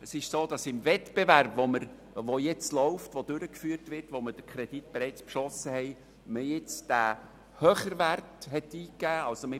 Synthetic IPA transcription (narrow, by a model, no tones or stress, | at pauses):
əsɪʃsoːd̥ɑsɪmvɛtb̥eværbʋoməɾ | ʋojɛt͡slɔʊftʋod̥ʏɾəkfyːərtʋɪrtʋoməd̥əkʰɾɛd̥itb̥eɾɛɪt͡spʃɔsəhɛj | məjɪt͡sd̥æ | høχəɾʋærtɦɛtiːkːæːɑlsomɪ